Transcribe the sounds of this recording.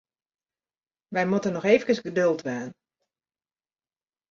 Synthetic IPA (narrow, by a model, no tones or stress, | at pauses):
ʋɛjmutənɔxeːvənkəsɡədølˠtʋɛːn